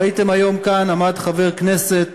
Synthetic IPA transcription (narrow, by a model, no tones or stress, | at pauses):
it̪e̞majo̞mkanamad̪χave̞ʁkne̞set